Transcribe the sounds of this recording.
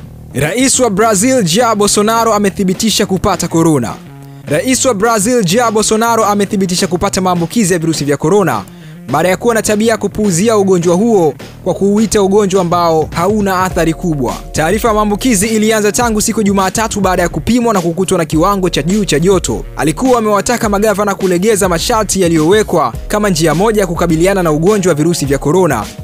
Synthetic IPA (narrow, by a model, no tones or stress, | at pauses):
ɾaiswabɾazild͡ʒaɓɔsɔnaɾɔamɛθiɓitiʃakupatakɔɾɔna̰ | ɾaisiwabɾazild͡ʒaɓɔsɔnaɾɔamɛθiɓit̬iʃakupatamaːmbukizijaviɾusivjakɔɾɔna̰ | ɓaːɗajakuwanataɓiajakupuːziauɠɔnd͡ʒwahuɔ | kwakuːitauɠɔɲd͡ʒwaːmbaɔhaunaaθaɾikuɓwa̰taːɾifajamaːmbukiziːlianzataŋɡusikuɛʄumaːtatuɓaːɗajakupimwanakukutwanakiwaŋɡɔt͡ʃaʄuːt͡ʃaʄɔtʰɔ̰ | a̰likuwaːmɛwatakamaɠavanakulɛɠɛzamaʃaɾtijalijɔwɛkwakamand͡ʒiamɔʄajakukaɓiliananauɠɔɲd͡ʒwawaviɾusivjakɔɾɔna̰